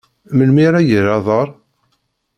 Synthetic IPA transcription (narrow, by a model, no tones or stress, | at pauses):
məlmiɾæjəɾɑðˤəɾˤ